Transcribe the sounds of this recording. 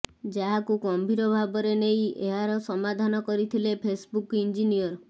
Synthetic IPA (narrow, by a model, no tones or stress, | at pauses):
d͡ʒaɦakuɡɔmbʱiɾɔbʱabɔɾeneĩeɦaɾɔsɔmad̪ʱanɔkɔɾit̪ʰilepʰesbukind͡ʒinijɔɾ